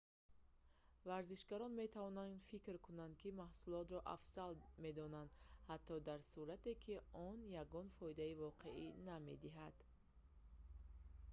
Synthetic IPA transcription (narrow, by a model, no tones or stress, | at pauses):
vaɾziʃɡaɾɔnme̞t̪ʰavɔnand̪fikɾkʰunand̪̚kʰimahsulɔt̪ɾɔʔa̰fsalme̞d̪ɔnand̪hat̪ʰːɔd̪aɾsuɾat̪e̞kʰiɔnjaɡɔnfɔid̪aivɔqʰe̞iname̞̰d̪iɦad̪̥